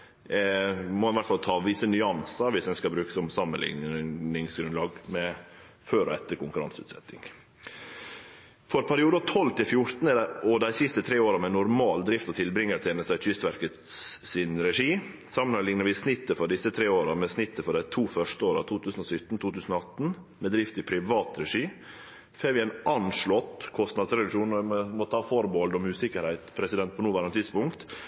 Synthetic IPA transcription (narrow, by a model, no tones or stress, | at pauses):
mɔɑnʋæʈfɑlt̪ʰɑːʋɪsənʏɑnsəʋɪsɛnskɑbɾʉːkə̥sɔmsɑmənlɪ̰ŋnɪŋsɡɾʉnlɑːɡmɛ | føːɾɔ̰ɛt̪ːəɾkʊŋkʉɾɑ̰nsʉ̰t̪sɛ̰t̪ːɪ̰ŋ | fɔɾpʰæɾɪuːd̪ɑt̪ʰɔlːt̪ɪlfjʊɾt̪n̩ɛɔd̪æɪsɪst̪ət̪ʰɾeːoːɾɑmɛnʊɾmɑːld̪ɾɪft̪ɔt̪ʰɪlbɾɪŋːəɾt̪ʰɛnəst̪ɛc͡çʏst̪ʋæɾkət̪sɪnɾɛʂiː | sɑmənənlɪŋnəɾʋɪsnɪt̪ːəfɔɖ̪ɪsət̪ʰɾeːoːɾəmɛsnɪt̪ːəfɔɖæɪt̪ʰuːfœʂʈəoːɾɑ̰t̪ʰuːt̪ʰʉːsənɔsʏt̪ːn̩t̪ʰuːt̪ʰʉːsən̩ɔɑt̪n | mɛd̪ɾɪft̪ɪpʰɾɪʋɑːt̪ɾɛʂiː | feːɾʋɪæɪnʔɑnʂɭɔt̪ːkʰɔst̪nɑd̪sɾɛlɪʂuːnɔʋɪmɔt̪ʰɑːfɔɾbɔld̪ɔmʉːsɪkəɾhæɪt̪pʰɾɛsɪd̪ɛnt̪pɔnuːʋæɾənt̪ʰɪd̪spʊŋkt̪